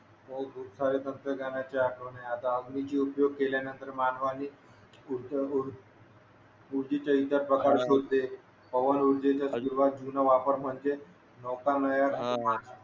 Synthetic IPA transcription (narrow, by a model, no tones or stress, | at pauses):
mokʰuːpsaɾet̪ənt̪ɾəɡanat͡ɕeaʈʰʋɳeat̪aəɡmit͡ɕiːupjoɡ̚keljanənt̪əɾmanʋani | uɾuɾ | uɾd͡ʑit͡ɕəit̪at̪̚bəɡaɾɕod̪ːe | pəʋənuɾd͡ʑet͡ɕjasɕuɾuʋat̪̚d͡ʑunaʋapəɾm̤əɳd͡ze | nɔkaɾnəjaʈapad͡ʑa